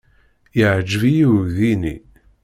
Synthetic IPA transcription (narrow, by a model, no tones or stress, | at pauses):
jəʕd͡ʒːvijiðinḭ